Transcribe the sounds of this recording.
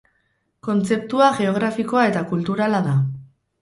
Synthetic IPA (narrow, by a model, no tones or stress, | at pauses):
ko̞nt͡se̞p̚t̪uaʝe̞o̞ɣ̞ɾafiko̞ae̞t̪akult̪uɾalaða